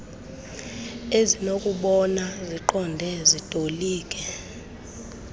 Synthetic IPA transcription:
ezinokʼuɓɔnaziǃɔndʱɛzitʼoliːkʼɛ

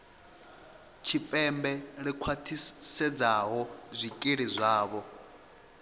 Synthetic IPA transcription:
t͡ʃʰipʼɛmbɛɺikʰwatʰisɛd͡zaɦɔzʷikʼiɺizʷaːβɔ

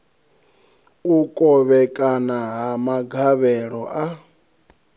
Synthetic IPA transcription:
ukʼɔβɛkʼanaɦamaɡʱaβɛɺɔʔa

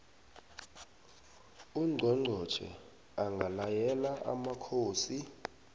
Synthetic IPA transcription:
uŋ͡ǀʱɔŋ͡ǀʱɔ̥t͡ʃʰɛ̰ | aŋɡʱalajɛlaʔa̰makʰoːsi

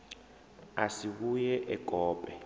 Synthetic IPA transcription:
asiɓ̬ujɛʔɛkɔːpʼɛ

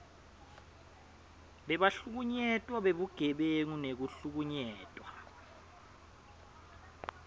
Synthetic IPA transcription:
ɓɛɓaɬuk̬uɲɛtʼwaɓeɓuɡ̥ʱɛɓeŋunek̬uɬuk̬uɲɛːtʼwa

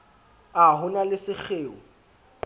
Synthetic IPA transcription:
aɦʊnalɪsɪk͡xʰeːʊ

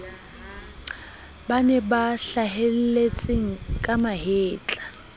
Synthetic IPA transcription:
banɛbaɬaɦel̩let͡sʼeŋ̩kʼamaɦeːt͡ɬʼḁ

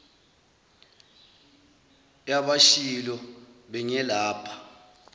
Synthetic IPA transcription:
jaɓaʃilɔɓɛɲɛlaːpʰḁ

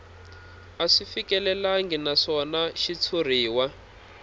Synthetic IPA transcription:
aʂifikɛlɛlaŋɡɛnaʂɔnaʃit͡sʰur̤iːwa

